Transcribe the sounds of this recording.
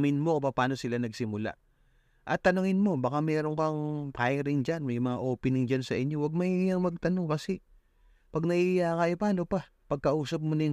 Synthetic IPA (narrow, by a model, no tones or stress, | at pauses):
mɪnmo̞kpɐpaːno̞sɪlanɐɡsɪmʊla̰ʔ | ʔɐt̪ːɐnoŋɪnmo̞bɐkamɛːɾoŋkɐŋkaːjɐɾɪnd͡ʒanmɐjmɐŋaʔo̞ːpɪnɪŋd͡ʒansɐʔɪɲːo̞wɐɡ̚mɐijaŋmɐɡ̚t̪ɐnoŋkɐsɛ | pɐɡ̚nɐʔijakɐjopɐɐnopɐ | pɐɡ̚kɐʔuːsɐp̬̚monɐ